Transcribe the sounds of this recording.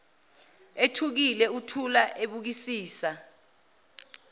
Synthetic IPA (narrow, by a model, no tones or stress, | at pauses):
etʰuk̬ilɛutʰulaʔeɓuk̬isiːsa